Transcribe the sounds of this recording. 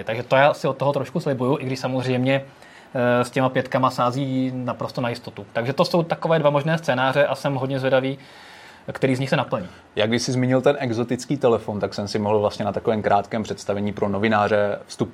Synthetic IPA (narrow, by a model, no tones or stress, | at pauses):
ɪt̪aɡʒɛt̪o̞jaːsɪot̪ːoɦot̪ɾoʃkuslɪbujuʔɪɡdɪʃsamozr̝ɛjmɲɛ | scɛmapjɛt̪kamasaːziːnapɾo̞st̪onajɪst̪ot̪ut̪aɡʒɛt̪o̞so̞wt̪akovɛːdvamo̞ʒnɛːst͡sɛːnaːr̝ɛʔasɛmɦodɲɛzvjɛdaviː | kt̪ɛɾiːzɲɪxsɛnapl̩ɲi | jaːɡdɪʃsɪzmiːɲɪlt̪ɛnʔɛɡzot̪ɪt͡skiːt̪ɛlɛfont̪aksɛmsɪmoɦl̩ˠvlast̪ɲɛnat̪akovɛːmkɾʔaːt̪kɛːmpr̥ɛt̪st̪avɛɲiːpɾo̞novɪnaːrɛfst̪up